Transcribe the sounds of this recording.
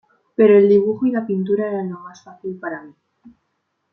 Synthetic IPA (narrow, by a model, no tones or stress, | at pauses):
peɾoeld̪iβ̞uχoilapint̪̬uɾaeɾanomasfaθilpaɾamĩ